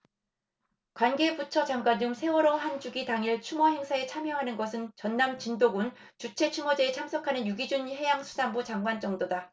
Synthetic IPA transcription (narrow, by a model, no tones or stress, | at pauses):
kwanɡe̞but͡ɕʰʌt͡ɕaŋɡwaɲiɯmsʰe̞wʌɾʌɦand͡ʑuɡitaŋiɭt͡ɕʰumʌɦe̞ŋsʰae̞t͡ɕʰamjʌɦanɯnɡʌsʰɯnt͡ɕʌnːamt͡ɕindoɡun | t͡ɕut͡ɕʰe̞t͡ɕʰumʌd͡ʑeːt͡ɕʰamsʰʌkʰanɯnjuɡid͡ʑunhe̞jaŋsʰu̥sambut͡ɕaŋɡwant͡ɕ͈ʌŋdoda